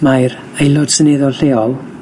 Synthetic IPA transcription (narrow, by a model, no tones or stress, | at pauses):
majɾ | ejlˠʊd̥sənɛðɔlɬɛːɔlˠ